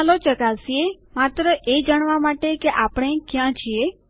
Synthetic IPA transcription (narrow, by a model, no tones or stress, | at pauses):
lot͡ʃəkasie | mat̪ɾəʔed͡ʒaɳ̃ʋamaʈekeʔapəɽ̃ekjãt͡ʃʰie